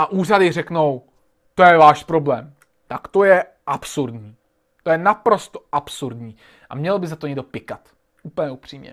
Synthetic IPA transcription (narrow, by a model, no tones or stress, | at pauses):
ʔaʔuːr̝adɪr̝ɛkno̞w | t̪o̞jɛvaːʃpɾo̞blɛːm | t̪akt̪o̞jɛ | ʔapsuɾdɲiː | t̪o̞jɛnapɾo̞st̪oʔapsuɾdɲiː | ʔa̰mɲɛlbɪzat̪o̞ɲɛɡdo̞pɪkat̪ | ʔuːpl̩ɲɛupr̝̥iːmɲɛ̰